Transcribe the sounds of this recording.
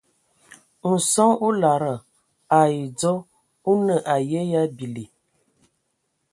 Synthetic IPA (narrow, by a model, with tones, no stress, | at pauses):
n̩˨sɔ˦u˦la˨ɾə˨ | a˨i˨d͡zɔ˦ | u˦nə˨ʔa˨jɛ˦ja˦bi˨li˨